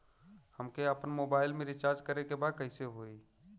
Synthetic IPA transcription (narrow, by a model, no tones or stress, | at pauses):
həmkeəpənmobaɪlmẽɾit͡ʃaɾd͡ʒkəɾekebad̪̚kəɪseɦoi